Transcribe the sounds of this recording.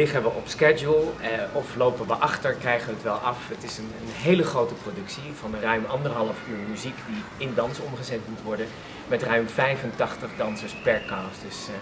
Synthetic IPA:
lɪχənʋəʔɔpskɛd͡ʒulˠɔflowpənʋəʔɑχtəɹkrɛjχəʋəːtʋɛlˠʔɑfətɪsənənɦejləχrowtəprodɵksivɑnrœɥmɑndəɹɦɑlˠəfyːɹmyzikdiɪndɑnsɔmχəzɛtmutʋɔɹdən | mɛtrœɥmfɛjvəntɑχtəχdɑnsəɹspɛɹkasdɵs

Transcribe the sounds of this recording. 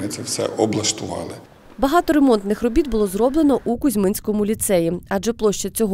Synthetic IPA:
nɪt̪sɛwsɛ̰ʔɔblˠɐʃt̪ʊʋɑ̰lˠɪ | bɐɦɑt̪ɔɾe̞mɔnt̪nɪxrɔbʲit̪̚bʊlˠɔzrɔblˠenɔʔukʊzʲmɪnʲsʲkɔmʊlʲit̪sɛjiɐʒɛplˠɔʃt͡ʃɐt͡sʲɔɦɔ

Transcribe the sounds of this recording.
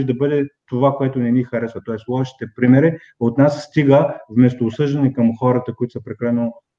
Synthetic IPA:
ʒd̪ɐbɤd̪ɛt̪ovakoɛt̪ʊnɛnixɐɾɛsvət̪ɔɛslˠɔʃi̥t̪ɛpɾimɛɾi | ot̪nasst̪iɡəvmɛst̪oːsɤʒd̪ɐnɛkɐmxɔɾət̪əkoit̪ʊ̥sɐpɾɛklɛno

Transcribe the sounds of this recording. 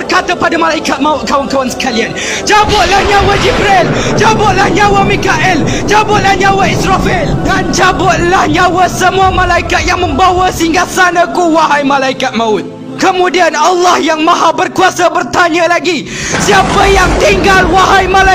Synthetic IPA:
bərkat̪apadamalaikat̪̚mãʊt̪̚kawankawansə̥kalian | d͡ʒabʊt̪̚lahɲãwad͡ʒibɾeld͡ʒabʊt̪̚lahɲãwamikaʔɪld͡ʒabʊt̪̚lahɲãwaisɾafildand͡ʒabʊt̪̚lahɲawasəmũamãlaikat̪̚jaŋmə̃mbawasiŋɡasanãkuwaɦajmãlaikat̪̚mãʊt̪̚ | kəmũdianalːɑhjaŋmãɦabərkuasabərt̪aɲə̃laɡi | siapəjaŋt̪iŋɡalwaɦajmala

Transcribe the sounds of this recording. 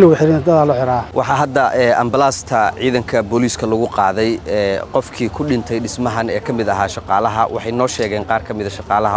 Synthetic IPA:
lʊɣʊħɪɾind̪ɐðaːlɔħɪɾaːwʔɑħɑɦɐd̪ɐʔɛːɐmbɐlaːst̪ʰɐʕiːðɐŋkʰɐbɔliːskʰɐlɐɣʊqɑːðɛjɛqɔfkʰiːkʰʊɖɪnt̪ʰɛjɖɪsmɐɦɐnɛːkʰɐmɪd̪ɐɦaːʃɑqɑːlɐɦɐwʔɑ̰ħɑjnɔːʃɛːɣɛːnqɑːrkʰɐmɪðɐʃɑqɑːlɐɦɐ

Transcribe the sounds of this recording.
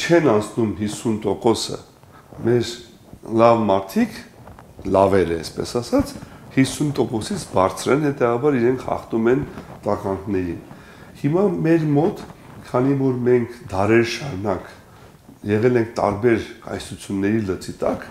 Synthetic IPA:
t͡ʃʰɛnɑnt͡sʰnumɦisːunt̪ɔkɔsə̰ | mɛɾ | lɑvmɑɾt̪ʰikʰ | lɑvɛɾəɛspɛ̰sɑsɑt͡sʰhisːunt̪ɔkɔsit͡sʰbɑɾt͡sʰɾɛnhɛt̪ɛvɑbɑɾiɾɛŋkʰχɑ̰χt̪umɛnt̪ɑʁɑŋɡʰnɛɾḭn | himɑmɛɾmɔt̪ | kʰɑnivɔɾmɛŋkʰd̪ɑɾɛɾʃɑɾunɑk | jɛʁɛlɛŋkʰt̪ɑ̰ɾbɛɾkɑ̰jsut͡sʰjunːɛɾilət͡sit̪ɑk

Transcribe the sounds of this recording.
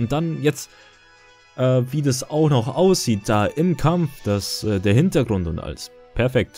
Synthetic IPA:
ʊnt̚d̥anjɛt͡st | ʔɛːviːdasaʊxnɔχʔaʊsz̥iːt̚d̥aːʔɪmkʰamfd̥asʔɛːdeːɐhɪntɐɡʁʊntʊntʔa̰ls | pʰɛɐfɛk̚t

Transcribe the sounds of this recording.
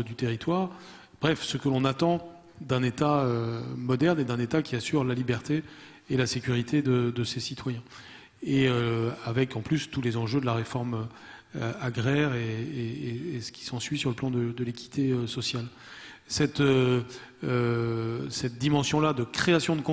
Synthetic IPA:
d̪yt̪eʁit̪waːʁ | b̥ʁɛfsəkəlɔ̃nat̪ɑ̃ | d̪ɛ̃net̪aømɔd̪ɛʁned̪ɛ̃net̪akʲiasyʁlalibɛʁt̪eː | lasekʲyʁit̪ed̪əd̪əsesit̪wajɛ̃ | eøavɛkɑ̃plyst̪ulezɑ̃ʒød̪əlaʁefɔʁmø | aɡʁɛʁeeːsə̥kʲʰi̥sɑ̃sɥisyʁləplɑ̃d̪əd̪əlekʲi̥t̪ʰeøsɔsjal | sɛt̪ø | ø | sɛt̪̚d̪imɑ̃sjɔ̃lad̪əkχeasjɔ̃d̪əkɔ̃

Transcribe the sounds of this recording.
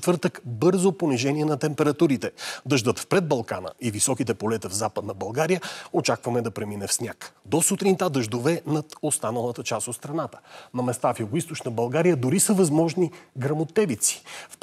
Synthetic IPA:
t̪vɤɾt̪əkbɤɾzoponiʒɛniɛnɐt̪ɛmpɛɾɐt̪uɾit̪ɛd̪əʒd̪ət̪fpɾɛd̪̚bɐlˠka̰nə̰ʔivisɔkit̪ɛpolɛt̪əvzapəd̪nəbɐlˠɡaɾijəot͡ʃakvɐmɛd̪ɐpɾɛminɛfsnʲjakd̪osut̪ɾint̪ad̪əʒd̪ovɛnɐt̪ost̪anəlˠət̪ət͡ʃasot̪st̪ɾɐnat̪ə̥nɐmɛst̪afjuɡoist̪ot͡ʃnəbɐlˠɡaɾijəd̪ʊɾisəvɐzmɔʒniɡɾɐmot̪ɛvit̪si̥fp

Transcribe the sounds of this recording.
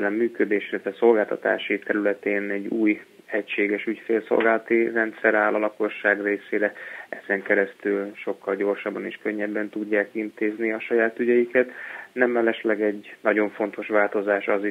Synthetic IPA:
ɛlɛmːyːkød̪eːʃilːɛt̪ʋɛso̞lɡaːlt̪ɒt̪a̰ːʃit̪ɛɾylɛt̪eːnɛɟːuːj | ɛcʃeːɡɛʃycfeːlso̰lɡaːlɒt̪irɛnt̪sɛɾaːlɒlɒko̞ʃːaːɡreːseːɾɛɛzɛŋkɛɾɛst̪ylʃo̞kːɒlɟo̞ːrʃɒbːɒniʃkø̞ɲːɛbːɛnt̪uɟːaːkint̪eːzniɒʃɒjaːt̪yɟɛjikɛt̪nɛmɛlɛʃlɛɡɛɟnɒɟo̞ɱfo̞nt̪o̞ʃʋaːlt̪o̞zaːʃɒzi

